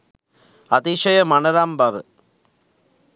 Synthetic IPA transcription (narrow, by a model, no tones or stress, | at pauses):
ɐt̪iʂɐjɐmɐnɐɾaːmbaʋɨ